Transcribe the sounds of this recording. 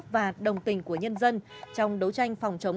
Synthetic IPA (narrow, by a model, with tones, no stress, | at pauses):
vaː˨˩ɗə˨˩wŋ͡mt̪ï˨˩ŋ̟ku˧˩əɲə˧nzə˧nt͡ɕɔ˧wŋ͡mɗə˨˦wt͡ɕa˧jŋ̟fɔ˨˩wŋ͡mt͡ɕə˨˦